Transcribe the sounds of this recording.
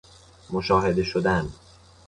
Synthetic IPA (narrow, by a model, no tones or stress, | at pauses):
moʃɒːɦe̞d̪e̞ʃod̪æn